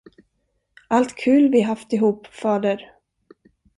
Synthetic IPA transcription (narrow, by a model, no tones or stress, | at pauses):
ʔalt̪kʰʉ̟ːlvɪɦaft̪ɪɦuːpfɑːd̪əɾ